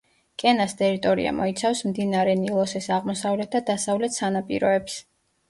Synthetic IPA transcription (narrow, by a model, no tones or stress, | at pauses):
kʼɛnast̪ʼɛɾit̪ʼɔɾḭa̰mɔit̪sʰafsmd̪inaɾɛnilˠɔsɛsaʁmɔsavlɛt̪̚ʰd̪ad̪asavlɛt̪ʰsanapʼḭɾɔɛps